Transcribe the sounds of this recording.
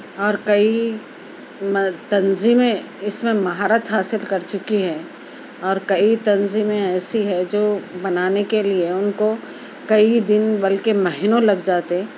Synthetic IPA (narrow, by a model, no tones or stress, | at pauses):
ɔːɾkɐi | mt̪ɐnziːmẽ | ɪsmẽmɐɦaːɾət̪ɦaːsɪlkɐɾt͡ʃʊkiɦɛː | ɔːɾkɐit̪ɐnziːmẽɛːsiɦɛd͡ʒoːbɐnaːnekelieʊnko | kɐid̪ɪnbɐlkemɛɦɪnõlɐɡd͡ʒaːt̪eɛ